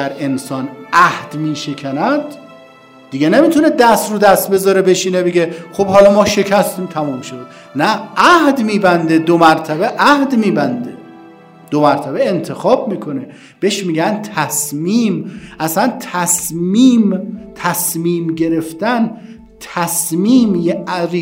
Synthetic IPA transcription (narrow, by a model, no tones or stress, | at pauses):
æɾe̞nsɒːnæhd̪̥miːʃe̞kʰænæd̪ː | iɡenemiːt̪ʰuned̪æst̪ɾud̪æst̪̚be̞zɒɾebeʃiːnebeɡexobhɒːlɒmɒːʃe̞cʰæst̪iːmt̪ʰæmuːmʃod̪e | nææhd̪miːbænd̪e̞d̪omæɾt̪ʰæbeʔæhd̪miːbænd̪e | d̪̥omæɾt̪ʰæbeent̪ʰe̞xɒːbmiːkʰo̞ne | b̥e̞ʃmiːɡænt̪ʰæsmiːmʔæslænt̪ʰæsmiːmt̪ʰæsmiːmɡe̞ɾe̞ft̪æn | t̪ʰæsmiːmjeɾi